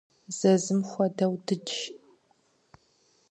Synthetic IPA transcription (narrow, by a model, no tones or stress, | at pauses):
z̥ɐzɨmxʷɔdɐwdɨd͡ʒ